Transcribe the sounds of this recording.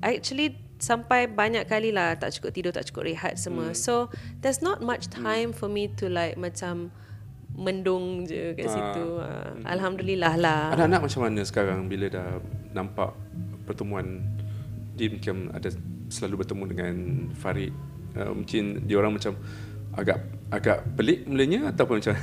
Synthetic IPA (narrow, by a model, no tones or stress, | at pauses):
ʔɛk̚t͡ʃuəli | sampajbaɲakːalilaht̪a̰ʔt͡ʃu̥kʊp̚t̪idʊt̪a̰ʔt͡ʃu̥kʊ̰ʔ̚ɾeɦa̰t̪̚səmwəsodɛsnɔt̪̚mat͡ʃtʰãjmfɔmit̪ulajk̚mãt͡ʃamː | əndʊŋd͡ʒəka̰nsit̪uə̰a̰lɦamdulilahlahanaʔanaʔ̚mat͡ʃamːanə̃sə̥kaɾaŋbilədahnãmpa̰ʔpərt̪əmũan | diəmuŋkɪma̰da | səlalubərt̪əmudəŋanfaɾɪt̪̚ | ə̰mṵŋkɪndiəoɾaŋmat͡ʃam | a̰ɡa̰ʔ | aɡaʔpəlɪʔ̚muləɲəat̪awpʊnmat͡ʃa